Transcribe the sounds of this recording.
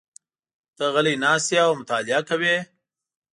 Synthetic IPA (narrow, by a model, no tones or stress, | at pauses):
t̪əɣəlinɑːst̪jaomʊt̪aːlijakɐwe